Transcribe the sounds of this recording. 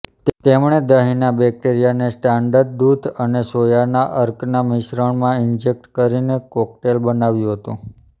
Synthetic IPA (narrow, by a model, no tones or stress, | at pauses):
t̪emɳ̃ed̪əɦinabɛk̚ʈeɾijanesʈaɳɖəɾɖ̚d̪ud̪ʱənesojanaʔəɾknamɪʃɾəɳmãɪnd͡ʒek̚ʈkəɾinekɔk̚ʈelbənaʋjũɦət̪ṵ̃